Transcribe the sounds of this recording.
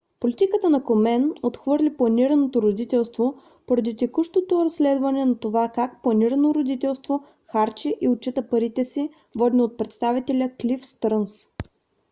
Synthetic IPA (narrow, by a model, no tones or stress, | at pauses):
polit̪ikət̪ənɐkomɛnot̪xvɤɾlʲiplˠɐniɾɐnot̪oɾod̪it̪ɛlˠst̪vo | poɾɐd̪it̪ɛkuʃt̪ot̪oɾɐsːlɛd̪vɐnɛnɐt̪ovakak̚plˠɐniɾənoɾod̪it̪ɛlˠst̪vo | xaɾt͡ʃiʔiot͡ʃit̪əpɐɾit̪ɛsi | vɔd̪ʲnot̪̚pɾɛt̪st̪avit̪ɛlʲəklʲifst̪ɾəns